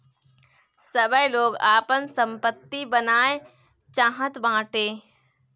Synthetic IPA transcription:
səbəjloːɡaːpənsə̃mpət̪ːibənaːe | t͡ʃãːɦət̪bãːʈeː

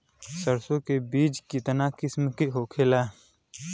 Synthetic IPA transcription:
səɾsõkebiːt͡ʃkɪt̪nakɪsmkiɦoːkʰela

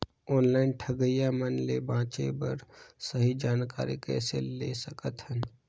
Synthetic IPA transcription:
ɔːnlaːɪnʈʰəɡəjamənlebãːt͡ʃebɐɾsəɦid͡ʒaːnka̰ːɾḭkɛ̰ːselesəkət̪ɦən

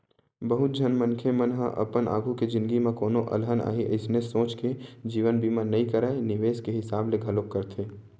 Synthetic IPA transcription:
bəɦʊt̪̚d͡ʒʱənmənkʰemənɦəʔɐ̰pəna̰ːɡʱuked͡ʒɪ̃nd̪ɡimẽkoːnoʔɐ̰lɦəna̰ːɦiʔɪsnesõːt͡ʃked͡ʒiːʋənbʱimanɐɦĩkəɾaːenɪʋeːskeɦɪsaːbleɡʱɐlokkːəɾt̪ʰeː

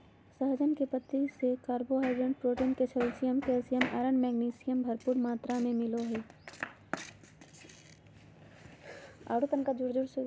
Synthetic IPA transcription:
səɦd͡ʒənkepət̪ːisekaːɾboɦaːɖə̃ːɳɖpɾoːʈiːnket͡ʃʰelsijəmkelsijəma̰ːɾəɳmɛːɡniːsɪjəmbʱɐɾpuːɾmaːt̪ɾamẽmɪloɦɛː | a̰ːɽut̪ənkad͡ʒʊɽd͡ʒʊɽs

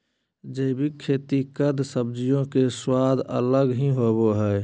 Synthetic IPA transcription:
d͡ʒəːbʱikʰːeːt̪ikəd̪səb̚d͡ʒijõkeswaːd̪ʱə̰ləɡɦĩɦoboɦɛː

